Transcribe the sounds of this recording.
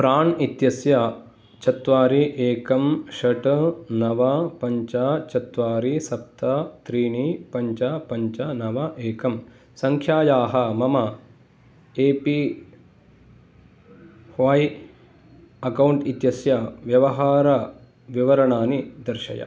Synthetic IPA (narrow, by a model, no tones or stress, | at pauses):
pɾaːɳit̪jɐsjɐ | t͡ʃɐt̪ʋaːɾiʔeːkɐmʃɐʈnɐʋɐpɐɲt͡ʃɐt͡ʃɐt̪ʋaːɾisɐp̚t̪ʰɐt̪ɾiːɳipɐɲt͡ʃɐpɐɲt͡ʃɐnɐʋɐʔeːkɐm | sɐŋkʰjaːjaːɦɐmɐmɐ | eːpi | hʋɐːji | ɐkɐwɳʈit̪jɐsjɐʋjɐʋɐɦaːɾɐ | ʋiʋɐɾɐɳaːnid̪ɐɾʃɐ̰jɐ̰